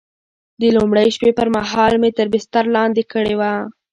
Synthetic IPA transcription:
d̪əlumɽəjʃpepəɾmaɦɑlmet̪əɾbɪst̪aɾlɑnd̪ekəɽewa

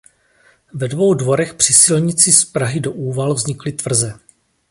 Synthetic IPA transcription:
vɛdvo̞wdvo̞ɾɛxpr̝̥ɪsɪlɲɪt͡sɪspɾaɦɪdo̞ʔuːvalvzɲɪklɪt̪vr̩zɛ

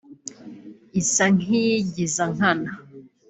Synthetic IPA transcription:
isaŋiɟizaŋ̥ana

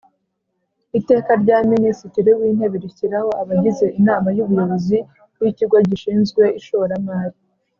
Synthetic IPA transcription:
ite̞ːkaɾɟaːminisitiɾiwiːnheβiɾiciɾaho̞aβaɟize̞ʔinaːmajuβuɾoɾozi | wiciɡwaɟiʃiːnzɡwe̞iʃoɾamaːɾi

